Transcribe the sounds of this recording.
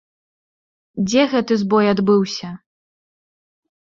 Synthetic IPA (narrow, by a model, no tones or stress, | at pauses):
d͡zʲɛɣɛt̪ɨzbɔjad̪bɨwsʲɐ